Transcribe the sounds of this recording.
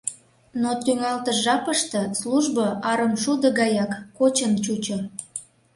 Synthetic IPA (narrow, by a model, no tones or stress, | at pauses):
not̪yŋɑlt̪əʒɑpəʃt̪ɤ̆sluʒbəʔɑɾəmʃud̪ə̆ɡɑjɑkːot͡ɕənt͡ɕut͡ɕo